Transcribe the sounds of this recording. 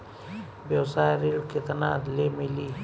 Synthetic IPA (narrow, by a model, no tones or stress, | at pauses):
bewsaːɾiɽket̪ɐnaːd̪leːmili